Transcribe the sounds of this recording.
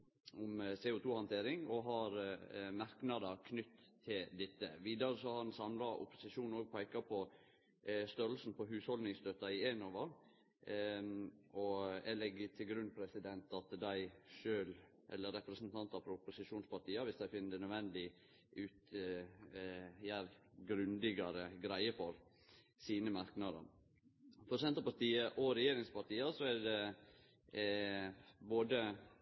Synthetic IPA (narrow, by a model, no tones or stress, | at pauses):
ʊmsɛːʊt̪ʰuːhɑnt̪ʰeːɾɪŋɔɦɑɾmɑɾknɑd̪ɑɾkʰnʏt̪ʰːɪld̪ɪt̪ːə̰ʋiːd̪ɑɾəsɔhɑɑɾnsɑmlɑʔʊ̰pʊ̥sɪʂuːnoːɡ̚pʰæɪkɑpʰɔ | st̪œɾəlsn̩pʰɔɦʉːshɔlnɪŋst̪øːt̪ɑɪeːnoːʋəɾ | ɔɛlɛɡət̪ʰɪlɡɾʉnːpʰɾɛsɪd̪ɛnt̪ɑt̪d̪æɪʃøːl | ʔɛ̰lːəɾɛpɾɛsnt̪ʰɑnt̪ɑɾfɔɾʊpʊsɪʂuːnspɑʈiːɑʋɪsd̪æɪfɪnːəd̪ɛnœd̪ʋɛnd̪ɪ | ʉːt̪ | jæɾɡɾʉnd̪ɪɡɑɾəɡɾæɪəfɔɾ | siːnəmɑɾknɑd̪ə̰ɾ | fɔɾsɛnt̪əɾpɑʈ̪iːəʔɔɾɛjeːɾɪŋspɑʈiːɑsɔæɖɛ | boːd̪ə